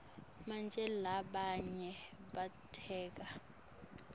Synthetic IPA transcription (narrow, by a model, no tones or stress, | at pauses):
mand͡ʒʱɛlaɓaɲɛɓatʰɛːk̬a